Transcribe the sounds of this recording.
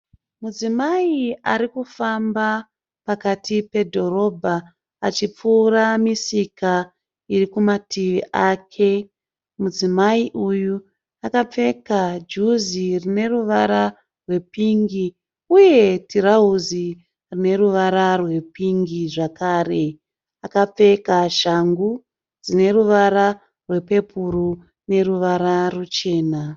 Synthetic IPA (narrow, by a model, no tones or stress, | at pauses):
mud͡zimaiaɾikufamba | pakatʰipe̞dʱo̞ɾo̞bʱaː | t͡ʃip͡fuːramisika | iɾikumatiʋiʔaːkʰe̞ | mud͡zimaiʔuju | akap͡fe̞kad͡ʒuzirine̞ruʋaɾa | rwe̞piŋɡi | uje̞tiɾaɦuzi | rine̞ɾuʋaɾarwe̞piŋɡiʐakaːre̞ | akap͡fe̞kaʃaŋɡu | d͡zine̞ɾuʋaɾa | rwe̞pe̞puɾu | ne̞ɾuʋaɾarut͡ʃe̞ːna